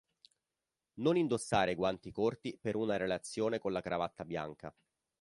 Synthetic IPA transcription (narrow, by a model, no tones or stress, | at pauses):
nonind̪osːaːɾeɡwant̪ikort̪ipeɾunaɾelat̪sːjoːnekonlakɾavat̪ːabja̰ŋka̰